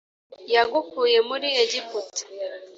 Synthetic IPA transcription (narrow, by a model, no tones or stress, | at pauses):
jaɡukujemuɾijeɟiputi̥